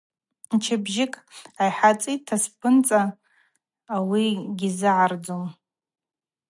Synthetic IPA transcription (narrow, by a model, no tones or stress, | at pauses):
nt͡ʃʰɪbʒɪkʼajħat͡sʼitʰaspʰɨnt͡sʼaː | wiɡʲizɨʕard͡zom